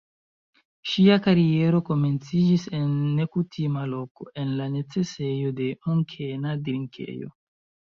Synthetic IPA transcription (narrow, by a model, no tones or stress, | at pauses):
ʃiakaɾie̞ɾo̞ko̞me̞nt͡sid͡ʒise̞nːe̞kutʰimalo̞ko̞̰ʔe̞nlane̞t͡se̞se̞jo̞de̞muŋkʰe̞nadiɾiŋkʰḛjo̞̰